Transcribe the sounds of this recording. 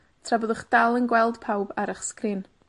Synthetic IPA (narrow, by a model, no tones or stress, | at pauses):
tʰrabɔðʊχd̥alˠənɡwɛlˠd̥pʰawbaɾəχskrɪn